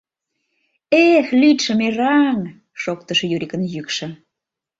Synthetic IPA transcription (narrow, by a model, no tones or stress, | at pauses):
exlit̪ʃə̆merɑŋ | ʃok̚t̪əʃɤ̆jyɾikə̆njykʃə̆